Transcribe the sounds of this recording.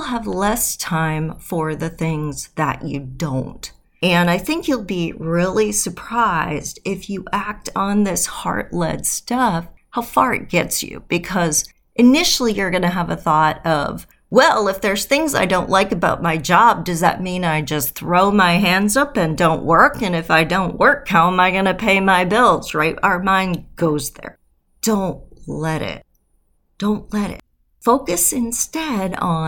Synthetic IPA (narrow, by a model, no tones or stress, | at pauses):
lˠəvlɛstʰãɪ̃ɱfə˞ðɨθɪ̃ŋzðə̰t͡ʃɨ̰dõ̰ʊ̃nt | ɨ̃naɪθɪ̃ŋkjulˠbiɹɪlˠisə˞pʰɹ̥aɪzdɪfjɨʔæk̚tn̩ðɪshɑ̰ɹtˡlɛ̰d̥stʌfhaʊfɑɹɨ̰t̚ɡ̥ɛtsjʉ̰b̥ɨkʰʌz | ʔɨnɪʃl̩ˠijə˞ɡʌnɨəvəθɔɾʌ̰v̥ | wɛlˠɪfðə˞z̥θɪ̃ŋza̰ɪdõʊ̃nʔlaɪkɨbaʊt̚maɪd͡ʒɑb̚dʌzðɨ̰t̚mĩnaɪd͡ʒʌsθɹoʊmaɪɦæ̃ndzʌpɨ̃ndõʊ̃nʔwɜ˞kɨ̃nɨfaɪdõʊ̃nʔwɜ˞khaʊə̃maɪɡʌnɨpʰeɪmaɪbɪlˠz̥ɹaɪtəə˞mãɪ̃nɡ̥oʊzðə̰˞ | d̥õʊ̃ntlɛɾɪ̰t̚ | d̥õʊ̃nʔlɛɾɪ̰t̚ | foʊkɨsɨ̃nstɛɾ